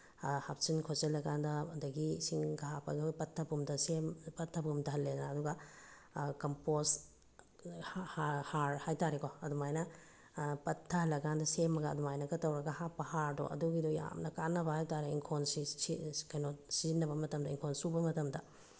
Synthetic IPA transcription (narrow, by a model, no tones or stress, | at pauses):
hap̚sinkʰozelːɐkandɐɐdɐɡisiŋɡaɦapɐ̰ɡiojpɐtʰːɐpumdɐsempɐtʰːɐpumdɐɦɐlːednaːduɡɐ | kɐmpos | hahaɾhajtaɾekoɐdumajnɐ | pɐtʰːɐɦɐlːɐɡandɐsemːɐɡɐɐdumajnɐɡɐtɐwɾɐɡɐhapːɐhaɾdo̰ʔɐ̰duɡidɔja̰mnɐkanːɐbɐhajtaɾeiŋkʰonsiikɐjnosizinːɐbɐmɐtɐmdɐiŋkʰonsubɐmɐtɐmdɐ